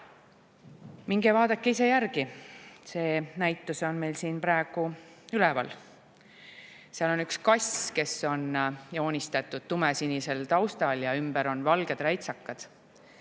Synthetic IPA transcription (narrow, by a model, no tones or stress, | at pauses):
miŋɡevɑːd̪̥ɑkːeise̞jærɡ̥ise̞ːnæjt̪ːˑuso̞nme̞jlsiːnpɾɑe̞ɡ̥u | ylɛvɑ̰l | seɑlo̞nykskɑsʲke̞so̞njo̞ːnʲist̪ɑt̪ːˑud̪̥̚t̪umesinise̞lt̪ɑwst̪ɑljɑymbeɾo̞nvɑlɡ̥e̞d̪̥ræjt̪sɑkːɑd̪̥